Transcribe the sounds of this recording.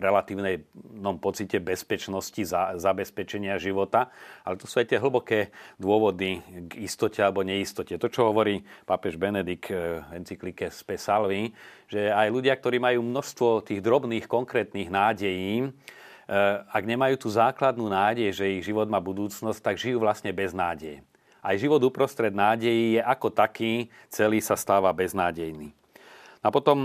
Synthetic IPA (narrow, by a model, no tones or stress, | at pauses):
ɾɛlat̪iːʊnɛjnɔmpɔt͡sicɛbɛspɛt͡ʃnɔscizzabɛspɛt͡ʃɛɲɪaʒiʋɔt̪aalɛt̪ɔsuːajt̪ɪɛɦl̩bɔkɛːd̪ʊɔʋɔd̪iɡist̪ɔcɛalɛbɔɲɛist̪ɔcɛt̪ɔt͡ʃɔɦɔʋɔɾiːpapɛʒbɛnɛd̪ikɦɛnt͡siklikɛspɛsalʋiʒ̥ɛajluɟɪak̚t̪ɔɾiːmajuːmnɔʃst̪ʋɔt̪iːɣd̪ɾɔbniːxkɔŋkɾɛːt̪niːɣnaːɟɛjiː | aɡɲɛmajuːt̪uːzaːklad̪nuːnaːɟɛjʒɛiɣʒiʋɔd̪maːbud̪uːt͡snɔsc̚t̪aɡʒijuːʋlasɲɛbɛznaːɟɛj | ʔajʒiʋɔd̪upɾɔst̪ɾɛd̪naːɟɛjiːjɛʔakɔt̪akiː | t͡sɛliːsast̪aːʋabɛznaːɟɛjniː | napɔt̪ɔm